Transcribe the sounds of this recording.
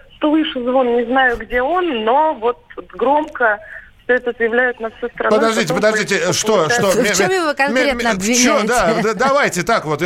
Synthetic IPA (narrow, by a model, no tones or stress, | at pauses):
ʂt̪olˠɨʂɨzvonnʲɪznajʊɡdʲe̞onːovo̞t̪̚t̪ɡɾo̞mkəfsʲɵɛt̪ət̪əjɪvlʲæjɪt̪nafsʲost̪ɾɐpəd̪ɐʐdʲitʲɪpəd̪ɐʐdʲitʲɪʂtt̪oʂt̪ot͡ɕmjɪvokɐnmenəɐbvʲɪt͡ɕod̪ad̪ad̪ɐavajtʲɪt̪akvo̞t̪